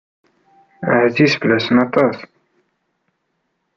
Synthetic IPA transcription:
əʕzisfəlæsənɑt̪ˤɑs

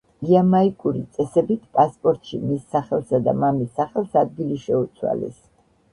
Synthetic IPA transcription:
iamaikʼuɾit̪sʼɛsɛbit̪ʰpʼaspʼɔɾt̪ʼʃḭmisːaχɛlˠsad̪a̰mamisaχɛlˠsad̪̚ɡiliʃɛut̪sʰwa̰lɛ̰s

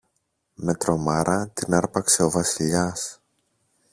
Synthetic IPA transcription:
me̞t̪ɾo̞mɐɾʔɐt̪inɐɾpɐkse̞o̞vɐsiʎɐs

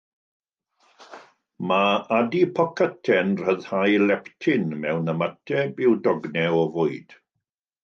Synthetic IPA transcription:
maadipʰɔkʰətʰɛnr̥əðhajlɛptʰɪnmɛwnəmatʰɛbɪwdɔɡnɛɔvʊɨd̥

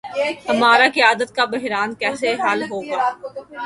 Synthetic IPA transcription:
ɦɐmaːɾakijaːd̪ət̪̚kabɪɦɾaːnkɛːseɦaːlɦoːɡaː

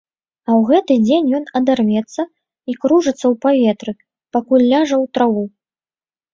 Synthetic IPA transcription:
ɐwɣɛt̪ɨd͡zʲenʲjɔnɐd̪armʲɛt̪sːɐ | ikɾuʐɨt̪sːɐwpavʲɛt̪ɾɨ | pakulʲːaʐɐwt̪ɾavu

